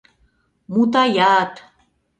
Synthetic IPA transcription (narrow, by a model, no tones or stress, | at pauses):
mut̪ajaːt̪